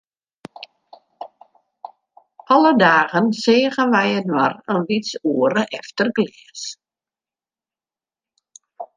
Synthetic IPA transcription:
ɔlədaːɣənsɪːəɣənʋɛjətwarənʋitsuəɾəʔɛftərɡlɪːəs

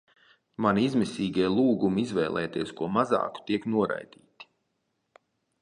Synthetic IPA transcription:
maniizmɛsʲiːɡʲiɛlˠuːɡumiizvɛjlˠʔɛ̰ːt̪iɛskuɔmazɑ̰ːku̥t̪iɛknuɔɾa̰jd̪̥iːt̪i̥

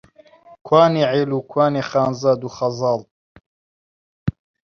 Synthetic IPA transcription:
kʰwaːneːʕeːluːkʰwaːneːχaːnzaːd̪uχɐzɑːl

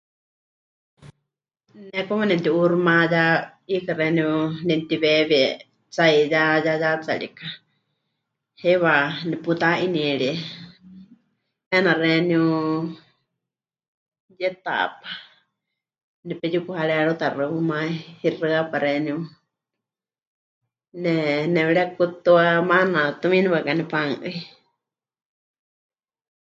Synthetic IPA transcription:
nɛkɔmanɛ̃nt̪iʔuɾumãjaikaɾɛniunɛnt̪iβɛβɛ | t͡saijajajat͡sa̰ɺḭka | hɛβaniput̪aʔiniɛɺi | ɛnarɛniu | jɛt̪a̰pḁ | nɛpɛjukuhaɺɛɺot̪arɨumãihirɨapaɾɛniu | nɛnɛwɛɺɛkut̪uamanãt̪umĩniβakanɛpaŋʔɨi

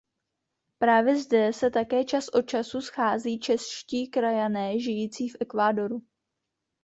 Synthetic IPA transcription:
pɾaːvjɛzdɛsɛt̪akɛːt͡ʃasʔo̞t̚t͡ʃasusxaːziːt͡ʃɛsʃciːkɾajanɛːʒɪjiːt͡siːfʔɛkvaːdo̞ɾu

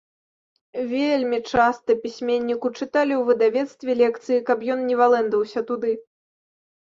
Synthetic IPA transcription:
vʲelʲmʲit͡ʂast̪ɐpʲisʲmʲenʲːikut͡ʂɨt̪alʲiwvɨd̪avʲɛt̪st̪vʲɛlʲɛkt̪sɨjikɐpjɔnnʲɛvalˠɛnd̪vɐwsʲɐt̪ud̪ɨ

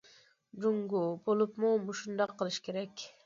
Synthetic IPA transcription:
d͡ʒuŋɡubolˠupmumuʃund̪ɑqʰːəlˠɨʃkʲʰeɾɛkʲ

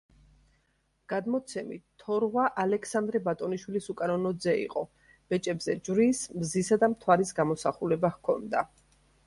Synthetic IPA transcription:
ɡ̥ad̪mɔt̪sʰɛmitt̪ʰːɔɾʁwaʔalɛkʰsand̪ɾɛbat̪ʼɔniʃwilisukʼanɔnɔd̪zɛḭqʼɔ | b̥ɛt͡ʃʼɛbzɛd͡ʒvɾiːsmzisad̪amt̪ʰwaɾisɡamɔsaχulɛbahkʰɔnd̪a

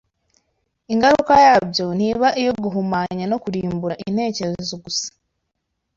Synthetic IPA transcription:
iŋɡaɾuukajaːbɟo̞n̥iβaʔijo̞ɡuɦumaːɲano̞kuɾiːmbuɾaʔin̥he̞ːce̞ɾezezo̞ɡusḁ

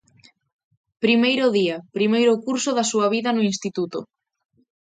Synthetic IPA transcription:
pɾimejɾʊðiɐpɾimejɾʊkuɾsʊðɐsuɐβiðɐnʊinst̪it̪ut̪ʊ̰

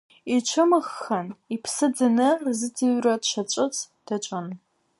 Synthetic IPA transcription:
it͡ʃʷʰɨmɨxːɐnipʰsɨd͡zɨnɨzɨtʰiɥrɐdʃʰɐt͡ʃʷʼɪt͡sʰd̥ɐt͡ʃʷʼɐn

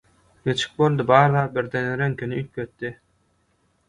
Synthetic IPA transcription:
ɡet͡ʃʰi̥k̚bolˠd̪ɯbɑːɾðɑːt̪̚biɾd̪eneɾeŋkʰenyyk̚kʰøt̪ːi

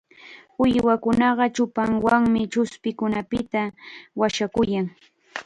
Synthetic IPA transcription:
ʊjwakʊnɑɢɑt͡ʃʊpaŋwaŋmɪt͡ʃʊspɪkʊnapɪt̪awaʃakʊjaŋ

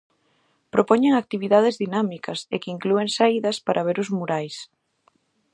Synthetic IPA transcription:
pɾopɔɲeŋak̚t̪iβiðaðɪzðinamikɐsḛkiŋklueŋsaiðɐspaɾʔɐβ̞eɾʊzmuɾajs

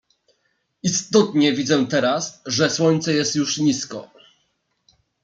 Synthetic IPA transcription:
ist̪ɔt̪ɲɛvʲid̪zɛt̪ɛɾasʐɛswɔɲt̪sɛjɛst̪juʂɲiskɔ̰

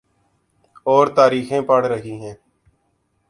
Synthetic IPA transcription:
oːɾt̪aːɾiːxẽːpəɽɾəɦiːɦɛ̃ː

